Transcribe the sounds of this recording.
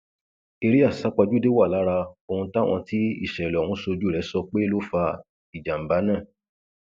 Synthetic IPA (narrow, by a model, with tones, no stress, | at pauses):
e˧ɾi˦a˦˨sa˨˦k͡pa˧d͡ʒu˦de˦wa˦˨la˨˦ɾa˧o˧hũ˧ta˦w̃ɔ̃˧ti˦ḭ˦˨ʃɛ˨lɔ̃˨ũ˧so˧d͡ʒu˦˨ɾɛ˨˦sɔ˦˧k͡pe˦lo˦fa˧ | i˨d͡ʒa˨m̩˨ba˨˦nã˦˨